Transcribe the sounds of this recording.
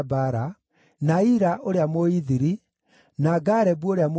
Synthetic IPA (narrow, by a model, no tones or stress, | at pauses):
baɾa | naiɾaʔoɾeamoiðiɾi | naɡaɾɛbuoɾeamo